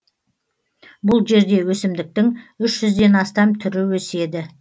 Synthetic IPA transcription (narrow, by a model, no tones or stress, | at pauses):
bʊlˠʒe̞ɾd̪e̞wɵsɪmd̪ɪk̚t̪ɪŋʏʃʒ̥ʏzd̪e̞nɑst̪ɑmt̪ʰʏɾɪwɵse̞d̪ɪ